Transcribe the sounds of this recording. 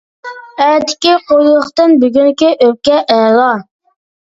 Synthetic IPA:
æt̪ɪ̥kʲiqojlˠʊχt̪ɨnbyɡʲynkʲiʔøp̚kʲɛʔɛlˠɑ

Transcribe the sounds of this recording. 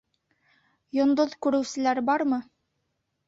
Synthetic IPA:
jŏnd̪oðkʉɾɘ̆wsɘ̆læɾbɑɾmɤ

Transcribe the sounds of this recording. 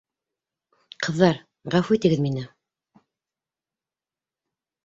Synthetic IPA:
qʰɤ̆ðːɑɾ | ʁæfut̪ĭɡɘðminɘ

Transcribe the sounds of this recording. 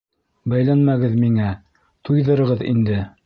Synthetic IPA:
bæjlænmæɡɘðmiŋæ | t̪ujðɤ̆ɾɤ̆ʁɤðḭnd̪ɘ

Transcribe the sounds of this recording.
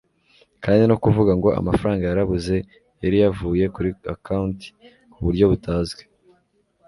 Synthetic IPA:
kaːndino̞kuvuɡaŋɡo̞a̰mafaɾaːŋɡajaɾaβuze̞ | jaɾijavuːje̞kuɾia̰kaunti̥ | kuβuɾjo̞βutʰaːzɡe

